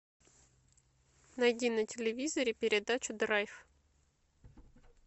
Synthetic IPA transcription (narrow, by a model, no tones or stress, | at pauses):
nɐjdʲinətʲɪlʲɪvʲizəɾʲɪpʲɪɾʲɪd̪at͡ɕʊd̪rajf